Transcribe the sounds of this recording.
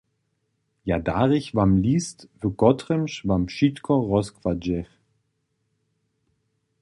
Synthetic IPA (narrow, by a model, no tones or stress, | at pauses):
jadaːʁɪçvamliːstvøɡ̥ɔtʁəmʃvamʃitkʰɔʁɔskv̥ad͡ʒɛχ